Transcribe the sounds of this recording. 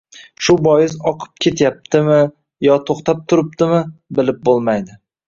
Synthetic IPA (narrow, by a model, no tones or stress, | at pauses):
ʃʊbɒjɪzɒqʰɨ̥p̚kʲʰe̞t̪ʰjap̚t̪ʰɪmɪ | jɒt̪ʰoχt̪ʰap̚t̪ʰʊɾɪp̚t̪ɪmɪbɪlɪp̚bolˠmajd̪ɪ